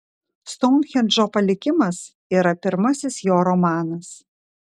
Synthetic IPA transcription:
st̪ɔːmʲxʲɛlʲd͡ʒoːpɐlʲɪkʲɪmɐs | iːɾɐpʲɪɾmɐsʲɪsjoːɾɔmɑːnɐs

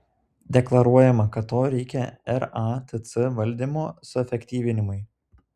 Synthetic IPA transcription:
d̪ʲɛklˠɐɾuɔjɛmɐkɐt̪ːoːɾʲɛɪkʲɛɛɾɑt̪ʲɨt̪sɨʋɐlʲˑd̪ʲimoːsʊɛfʲɛkʲt̪ʲiːʋʲɪnʲɪmʊɪ

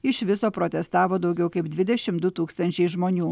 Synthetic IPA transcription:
ɪʃʋʲɪsoːpɾoːt̪ʲɛst̪ɑːʋoːd̪ɒʊɡʲɛʊkɐɪbd̪ʲʋʲɪd̪ʲɛʃʲɪmd̪ʊt̪uːkst̪ɐnʲt͡ʃʲɛɪʒmoːnʲuː

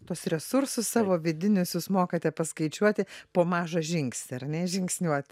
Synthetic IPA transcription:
t̪uɔsrʲɛsʊɾsʊssɑːʋoːʋʲɪd̪ʲɪnʲʊsjuːsmoːkɐt̪ʲɛpɐskɐɪt͡ʃʲuɔt̪ʲɪpoːmɑːʒɐʒʲɪŋksʲt̪ʲɪɐrnʲɛʒʲɪŋksʲnʲuɔt̪ʲ

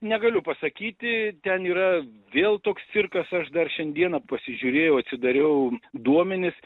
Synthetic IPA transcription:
nʲɛɡɐlʲʊpɐsɐkʲiːt̪ʲɪt̪ʲɛniːɾɐʋʲeːlˠt̪oːkst̪sʲɪrkɐsɐʃd̪ɐrʃʲɛnʲd̪ʲiɛnɐpɐsʲɪʒʲuɾʲeːjɛʊɐt̪ʲsʲɪd̪ɐɾʲɛʊd̪uɔmʲɛnʲɪs

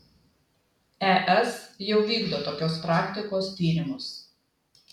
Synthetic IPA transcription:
ɛʔɛsjɛʊʋʲiːɡd̪oːt̪oːkʲoːspɾɑːkt̪ʲɪkoːst̪ʲiːɾʲɪmʊs

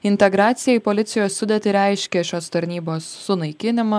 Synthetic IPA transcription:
ɪnʲt̪ʲɛɡɾɑːt̪sʲɪjɛipolʲɪt̪sʲɪjoːssʊd̪ʲɛt̪ʲɪɾʲɛɪʃʲkʲɛʃʲoːst̪ɐɾʲnʲiːboːsːʊnɐɪkʲɪnʲɪmɐ

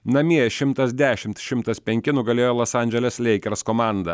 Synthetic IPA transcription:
nɐmʲiɛʃʲɪmt̪ɐsd̪ʲæːʃʲɪmt̪ʃʲɪmt̪ɐspʲɛŋʲkʲɪnʊɡɐlʲeːjoːlˠoːsɑˑnʲd͡ʒʲɛlʲɛslʲɛɪkʲɛɾskoːmɑˑnd̪ɐ

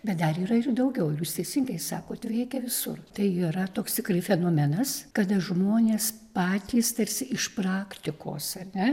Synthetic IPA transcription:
bʲɛt̪̚d̪ɐɾiːɾɐɪrd̪ɐʊɡʲɛʊjuːst̪ʲɛɪsʲɪŋɡɐɪsɑːkoːt̪ʋʲɛɪkʲɛʋʲɪsʊ̰rt̪ɐɪiːɾɐt̪oːkst̪ʲɪkɾɐɪfʲɛnoːmʲɛnɐskɐd̪ɐʒmoːnʲeːspɑːt̪ʲiːst̪ɐɾʲsʲɪɪʃprɑːkt̪ʲɪko̰ːsɐnʲɛ

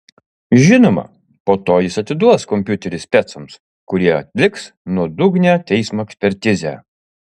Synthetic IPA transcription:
ʒʲɪnoːmɐ̰ | poːt̪oːjɪsɐt̪ʲɪd̪uɔskɔmʲpʲjʊt̪ʲɛɾʲɪsʲpʲɛt̪sɐms | kʊɾʲiɛɐt̪ʲlʲɪks | nuɔd̪ʊɡnʲæːt̪ʲɛɪsmoːɛksʲpʲɛɾʲt̪ʲɪzʲæ̰ː

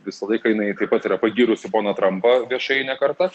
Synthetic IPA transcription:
ʋʲɪsɐlˠɐɪkɐjɪnɐɪt̪ɐɪpɐt̪ɪɾɐpɐɡʲiːɾʊsʲɪpoːnɐt̪ɾɐmpɐʋʲiɛʃɐɪnʲɛkɐrt̪ɐ

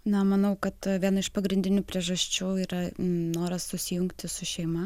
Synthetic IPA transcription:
nɐmɐnɐʊkɐt̪ʋʲiɛnɐɪʃpɐɡɾʲɪnʲd̪ʲɪnʲuːpʲɾʲiɛʒɐsʲt͡ʃʲuːiːɾɐnoːɾɐssʊsʲɪjʊŋkt̪ʲɪsʊʃʲɛɪmɐ

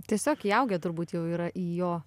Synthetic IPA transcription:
t̪ʲiɛsʲoːkiːɐʊɡʲɛt̪ʊrbuːt̪jɛʊiːɾɐʔiːjoː

